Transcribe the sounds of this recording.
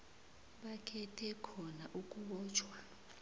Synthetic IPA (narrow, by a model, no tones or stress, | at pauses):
ɓakʰɛtʰɛkʰɔnaʔuk̬ʼuɓɔːt͡ʃʰwa